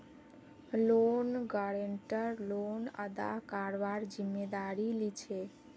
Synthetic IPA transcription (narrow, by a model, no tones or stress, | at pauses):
lonɡaɾeɳʈəɾlonə̰d̪a̰kaɾʋaɾd͡ʒimːed̪aɾilit͡ʃʰe